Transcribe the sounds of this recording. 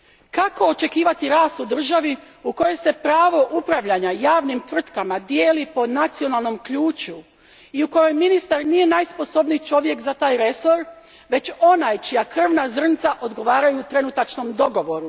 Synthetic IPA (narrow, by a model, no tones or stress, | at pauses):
kako̞ːt͡ʃe̞kiːʋat̪iɾaːst̪ud̪r̩ʒaʋi | uko̞jo̞se̞pɾaːʋo̞ʔupɾaʋʎaɲajaːʋnimt̪r̩t̪kamad̪je̞ːlipo̞nat̪sio̞nalˠno̞mkʎuːt͡ɕu | iuko̞jo̞jminist̪aɾnije̞najspo̞so̞bnijt͡ʃo̞ʋje̞kzat̪aːjɾe̞so̞ɾ | ʋe̞t͡ɕo̞najt͡ʃijakr̩ʋnazr̩nt̪saʔo̞d̪ɡo̞ʋaːɾajuːt̪ɾe̞nut̪at͡ʃno̞md̪o̞ɡo̞ʋo̞ɾu